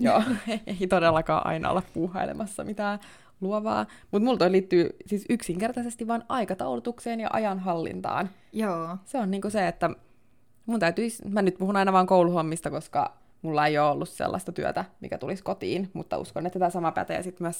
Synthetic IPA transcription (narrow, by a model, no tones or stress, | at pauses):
joːeit̪odelːɑkɑ̰ːʔɑ̰inɑ̰o̰leppuːhɑilḛmʔɑsːɑmit̪æː | luoʋɑ̰ː | mut̪mult̪oiliːt̪ːyːsiːsyksiŋkert̪ɑsest̪iʋʋɑnɑikɑt̪ɑulut̪ukseːnjɑ̰ʔɑ̰jɑnɦɑlːḭnt̪ɑ̰ːn | joːseonniːŋkuseet̪ːæ | munt̪æyt̪yismænyt̪puhunɑinɑʋɑːŋkouluhomːist̪ɑkoskɑ̰ | mulːɑejoːolːussḛlːɑ̰st̪ɑt̪yø̰t̪æmḭkæt̪uliskot̪ḭːnmṵt̪ːɑ̰ṵskonːet̪ːsit̪æsɑmɑpæ̰t̪ḛjɑ̰sit̪myæs